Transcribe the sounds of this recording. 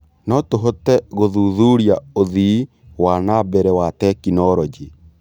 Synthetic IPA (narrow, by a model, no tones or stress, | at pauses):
nɔtoɦotɛɣoðuðuɾiaoði | wanabɛɾɛwatɛkinɔɾɔd͡ʒi